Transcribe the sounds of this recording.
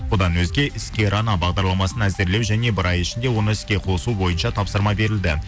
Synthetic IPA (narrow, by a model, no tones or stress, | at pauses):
wod̪ɑnwɵzɡʲe̞ʔɪskʲe̞ɾɑnɑbɑʁd̪ɑɾlˠɑmɑsənæze̞ɾle̞wʒæne̞bɪɾɑjɪʃɪnd̪e̞wo̞nəɪskʲe̞qʰo̞subo̞jənʃɑt̪ʰɑpsəɾmɑbe̞ɾɪld̪ɪ